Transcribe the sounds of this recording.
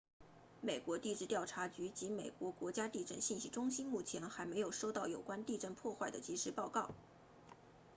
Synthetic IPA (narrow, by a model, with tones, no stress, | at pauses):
me˨˩ɪkwɔ˧˥t̪i˥˧ʈ͡ʂɻ̩˥˧t̪jɑ˥˩ʊʈ͡ʂʰa˧˥t͡ɕy˧˥t͡ɕi˧˥me˨˩ɪkwɔ˧˥kwɔ˧˥t͡ɕja˥t̪i˥˧ʈ͡ʂə˥˧nɕi˥˩nɕi˥˩ʈ͡ʂʊ˥ŋɕi˥nmu˥˩t͡ɕʰjɛ˧˥nxa˧˥ɪme˧˥ɪjo˨˩ʊʂo˥ʊt̪ɑ˥˩ʊjo˨˩ʊkwa˥nt̪i˥˧ʈ͡ʂə˥˧npʰwɔ˥˧xwa˥˩ɪd̪ə˩t͡ɕi˧˥ʂɻ̩˧˥pɑ˥˧ʊkɑ˥˩ʊ